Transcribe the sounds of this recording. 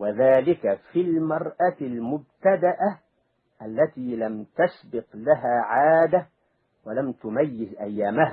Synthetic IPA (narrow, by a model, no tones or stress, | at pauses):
waðaːlɪkafilmɑɾˤʔalmʊb̚t̪ad̪aʔa | ʔalːat̪iːlamt̪asbɪqlaɦaːʕaːd̪a | walamt̪ʊmajːɪzʔajːaːmaha